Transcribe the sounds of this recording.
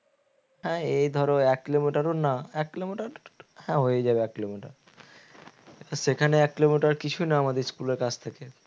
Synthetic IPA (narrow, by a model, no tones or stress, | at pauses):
hɛ̃ejd̪ʱɔɾoɛkːilomiʈaɾonaɛkːilomiʈaɾhɛ̃ɦoed͡ʑabeɛkːilomiʈa̰ɾ | aʃekʰaneɛkːilomiʈaɾkit͡ɕʰunaamad̪eɾskuleɾkat͡ɕʰt̪ʰeke